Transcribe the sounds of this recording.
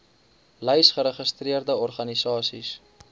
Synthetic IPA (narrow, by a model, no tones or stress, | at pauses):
ləjsχəɾəχəstriərdəɔrχɐnisɑːsḭs